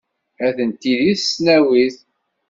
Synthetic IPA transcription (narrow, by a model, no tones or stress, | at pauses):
æθənt̪iðiθsnæwiθ